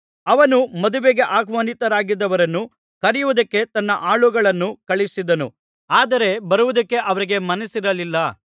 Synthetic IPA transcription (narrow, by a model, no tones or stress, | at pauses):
ɐʋɐnumɐd̪uʋeɡe̞ʔaːɡʋɐːnit̪ɐɾaːɡid̪ːɐʋɐɾɐnːu | kɐɾijuʋud̪ɐkːe̞t̪ɐnːɐʔaːɭuɡɐɭɐnːukɐɭisid̪ɐnu | aːd̪ɐɾe̞bɐɾuʋud̪ɐkːe̞ʔɐʋɐɾiɡe̞mɐnɐsiɾɐlilːɐ